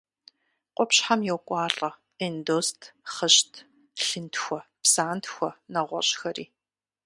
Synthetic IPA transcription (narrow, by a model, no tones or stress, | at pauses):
qʷʼɔpɕħamjɛwkʷʼɑːɬʼɐ | indoːstʰχəʃtʰ | ɬɨntʰxʷɔpsaːntʰxʷɔnɐʁʷɔ̰ɕʼxɐrḭː